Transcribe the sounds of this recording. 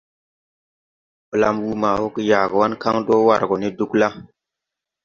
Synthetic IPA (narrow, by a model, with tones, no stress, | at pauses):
pə˨la˨mwu˦ma˨ho˦ki˦ja˨ɡə˨wa˦nka˦ŋdo˦wa̰˨ɾɡo˨ni˦du˦kla˦